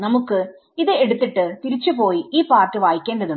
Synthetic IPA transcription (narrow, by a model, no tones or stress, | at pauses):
nɐmukːɨ | iðɨeɽut̪ːiʈːɨt̪iɾit͡ɕːupo̞ːjiiːpaːrtɨʋaːjikʲːe̞ːndɐðu